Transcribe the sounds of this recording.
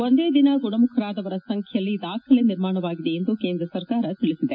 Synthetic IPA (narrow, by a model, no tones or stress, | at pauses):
o̞nd̪e̞ːd̪inɐɡuɳɐmukʰɐɾaːd̪ɐʋɐɾɐsɐŋkʰjɐjɐlːid̪aːkʰɐleniɾmaːɳɐʋaːɡid̪e̞end̪ukeːnd̪ɾɐsɐɾkaːɾɐt̪iɭisid̪e